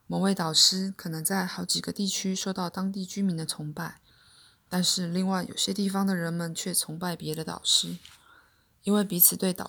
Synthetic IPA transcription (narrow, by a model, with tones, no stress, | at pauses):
mə˧˥ŋwe˥˩ɪt̪ɑ˨˩ʊʂɻ̩˥kʰɤ˨˩nɤ˧˥ŋt͡sa˥˩ɪxɑ˧˥ʊt͡ɕi˨˩ɡə˦t̪i˥˩t͡ɕʰy˥ʂo˥˧ʊt̪ɑ˥˩ʊt̪ɑ˥ŋt̪i˥˩t͡ɕy˥mi˧˥nd̪ə˧t͡sʰʊ˧˥ŋpa˥˩ɪ | t̪a˥˧nʂɻ̩˥˧li˥˧ŋwa˥˩ɪjo̰˨˩ʊɕjɛ˥t̪i˥˩fɑ˧˩ŋd̪ə˨ɻə˧˥nmə˨nt͡ɕʰɥɛ˥˩t͡sʰʊ˧˥ŋpa˥˩ɪpjɛ˧˥ɾə˧t̪ɑ̰˨˩ʊʂɻ̩˥ | i˥nwe˥˩ɪpi˧˥t͡sʰɹ̩˨˩t̪we˥˩ɪt̪ɑ˨˩